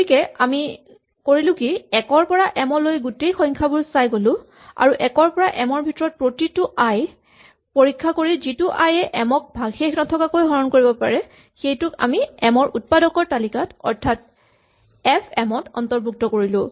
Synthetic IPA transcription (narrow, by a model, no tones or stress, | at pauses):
ikɛami | koɹilʊ̃kiɛkɔɹpɔɹaʔɛmɔlojɡutejxɔjŋkʰabʊɹsajɡolʊ̃ | a̰ɹuʔɛkɔɹpɔɹaʔɛmɔɹbʱitɔɹɔt̚pɹotitʊʔaj | poɹikʰːakoɹizitʊʔajɛʔɛmɔk̚bʱaɡxexnɔtʰɔkakojɦɔɹɔnkoɹibɔpa̰ɹɛ | xejtʊka̰miɛmɔɹʔut̚padɔkɔɹtalikatɔ̰ɹtʰat | ɛpʰɛmɔtɔ̰ntɔɹbʱuk̚tɔkoɹilʊ̃